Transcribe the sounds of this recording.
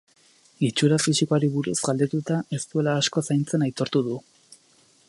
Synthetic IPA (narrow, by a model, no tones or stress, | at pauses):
it͡ʃuɾafisikoaɾiβuɾusɡald̪et̪ut̪ae̞st̪ue̞laːsko̞sajnt͡se̞najt̪o̞ɾt̪uðu